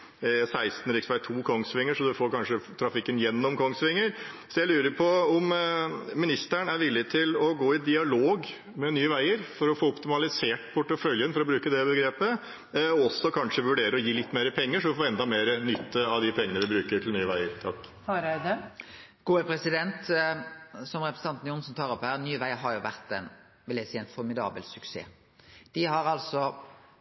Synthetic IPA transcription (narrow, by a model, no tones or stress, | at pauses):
sæɪst̪n̩ɾɪksʋæɪt̪ʰuːkʰɔŋsʋɪŋːəʂɔd̪ʉfoːɾkʰɑnʂət̪ʰɾɑfɪkːənjɛnːɔmkʰɔŋsʋɪŋːəɾsɔjæɪlʉːɾəɾpʰɔɔmmɪnɪst̪æɳæɾʋɪlːɪt̪ʰɪlɔɡoːɪd̪ɪɑloːɡ | mɛnyːəʋæɪəɾfɔɾɔfoːɔpt̪ɪmɑlɪseːʈpʰʊʈːəfœljənfɔɾɔbɾʉːkəd̪ɛbəɡɾeːpə | ɔɔsːɔkʰɑnʂəʋʉɖeːɾəɔjiːlɪt̪ːmeːɾəpʰɛŋːəʂɔʋɪfoːɛnd̪ɑmeːɾənʏt̪ʰːəɑʋd̪ɪpʰɛŋːənəʋɪbɾʉːkəʈʰɪlnyːəʋæɪəɾt̪ʰɑkː | ɾɪd̪ə | ɡ̥uːəpʰɾɛsɪd̪ɛnt̪ | sɔmʁɛpɾs̩ʰɑnt̪njʊnsnt̪ʰɑːɾɔpːhæːʁnyːʋæɪəɦɑɾjʊʋæʁt̪ɛɪn | ʋɪljæsiːæɪnfɔɾmɪd̪ɑ̰ːbəlsʉksḛː | d̪̥ɪɦɑɾɑlsɔ